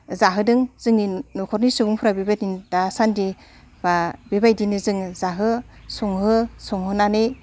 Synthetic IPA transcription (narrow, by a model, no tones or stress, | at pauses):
zaɦɯdɯŋzɯŋninɔkʰɔɾnisubuŋpʰɾabibadindasandi | babibajdinɯzɯŋzaɦɯsɔŋɦɯsɔŋɦɯnane